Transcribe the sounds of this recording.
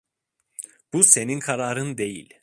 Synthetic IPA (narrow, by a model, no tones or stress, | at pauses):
b̥use̞ninkʰaɾaːɾɯnd̪e̞jḭlʲ